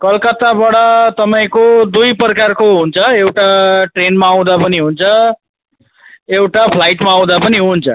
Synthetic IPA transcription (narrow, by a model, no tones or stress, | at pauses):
kʌlkʌt̪abaɽʌt̪ʌpaĩkod̪ujprʌkarkoɦunt͡sʰʌewʈaʈrenmaːw̃d̪apʌniɦunt͡sʰʌ | ewʈapʰlajʈmaːw̃d̪apʌniɦunt͡sʰʌ